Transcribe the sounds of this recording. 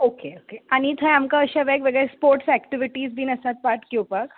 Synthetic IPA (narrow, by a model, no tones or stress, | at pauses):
okeokeaɽ̃it̪ʰajamkaəɕaʋɛkʋəɡəɾespoɾʈsɛkʈiʋiʈiːd͡zbʱiːnəsat̪̚paʈkopak